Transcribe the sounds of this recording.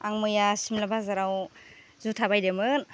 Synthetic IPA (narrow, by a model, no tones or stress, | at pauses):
aŋmɯjasimlabazaɾaw | zutʰabajdemɯn